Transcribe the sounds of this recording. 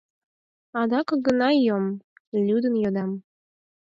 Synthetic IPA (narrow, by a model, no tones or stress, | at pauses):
ɑd̪ɑkɤɡənɑjomlʲud̪ənjod̪ɑm